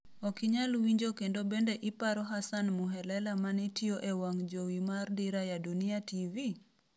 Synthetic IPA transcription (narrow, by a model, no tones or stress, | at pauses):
ɔkiɲalwiɲd͡ʒokendobendeʔɪpaɾɔɦasanmuɦɛlɛlamanɛtioʔewaŋd͡ʒowimardiɾajaduniativi